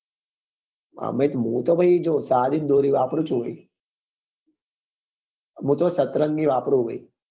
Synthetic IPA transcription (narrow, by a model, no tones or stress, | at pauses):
ma̰met̪mũːt̪obʱəjd͡ʒoːsaːd̪it̪̚d̪oːɾiːʋaːpɾuːt͡ʃʰuʋəi | mũːt̪osət̪ɾəŋɡiʋaːpɾuʋə̰i